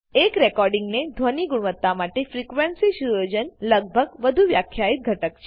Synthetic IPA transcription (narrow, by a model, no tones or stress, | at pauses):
ekɾekɔɾɖiŋɡned̪ʱʋoniɡuɳʋət̪ːamaʈefɾikʋensiʃuʋəd͡ʒənləɡ̚bʱəɡʋəd̪ʱuʋjakʰːjait̪̚ɡʱəʈəkt͡ʃʰe